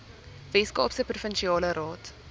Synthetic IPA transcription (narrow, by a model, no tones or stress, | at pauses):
vɛskɑ̰ːpsəprufənʃiɑːləɾɑːt